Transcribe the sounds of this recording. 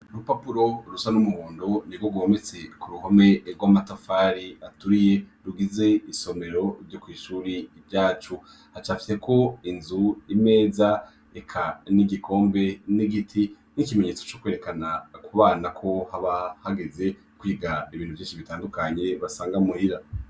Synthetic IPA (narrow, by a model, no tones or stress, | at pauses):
ɾupapuɾo̞ɾusanumuhuːndo̞nibɡoɡwomet͡se̞kuɾuho̞me̞ɾɡwamatafaːɾiatuɾije̞ɾuɡize̞iso̞me̞ɾo̞ɾjokwiːʃuːɾivjaːt͡ʃu | hat͡ʃaːfi̥se̞kʰo̞inzuime̞ːza | ekʰaniɡikʰo̞ːmbe̞niɡitʰi | nikime̞ɲe̞ːt͡sot͡ʃo̞kwe̞ɾe̞kanakuβaːnakʰo̞haβahaɡe̞ze̞ | kwiːɡaiβiːn̥uvjiːʃiβitaːndukaɲe̞βasaːŋɡamuhiɾa